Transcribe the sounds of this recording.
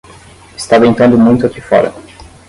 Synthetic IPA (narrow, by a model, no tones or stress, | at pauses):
ɪ̥st̪avẽnt̪ɐ̃nd̪ʊmũj̃t̪ʊakifɔ̰ɾɐ̰